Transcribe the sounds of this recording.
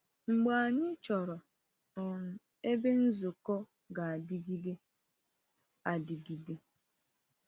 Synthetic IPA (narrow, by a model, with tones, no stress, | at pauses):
ŋ͡m̩˨ɡ͡ba˨a˨ɲɪ˦t͡ʃɔ˨ɾɔ˨ | nɔ˨ŋ̩˨ | e˦be˦n̩˦zo˨kɔ˦ | ɡa˨a˨di˦ɡi˦ɡe˦ | a˨di˨ɡi˨ɡe˦